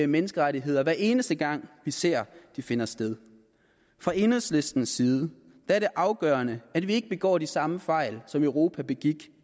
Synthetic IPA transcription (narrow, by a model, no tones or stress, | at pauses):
menəsɡ̥əʁaɾiɦe̝ð̞̰ˠɐʋæɐe̝ːnəsd̥əɡ̥ɑ̈ŋ̰ʋise̝ɐ̰d̥ife̝nɐsd̥eð̞ˠ | fʁɑ̈e̝ːnəðˠsle̝sd̥n̩siːð̞ˠə | d̥ææɐɾe̝ʔɑ̈ʊɡ̥œːɐnəæd̥ʋie̝ɡ̥əb̥eɡ̥ɒ̰ːd̥isɑ̈məfɑ̈ɪ̰lsɒ̽mœʊʁo̝ːpʰæb̥e̝ɡ̥iɡ̥